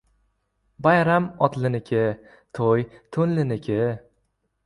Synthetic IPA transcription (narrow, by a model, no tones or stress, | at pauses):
bajɾamɒt̪lɪnɪkʲʰɪ | t̪ʰojt̪ʰʊnlɪnɪkʲʰɪ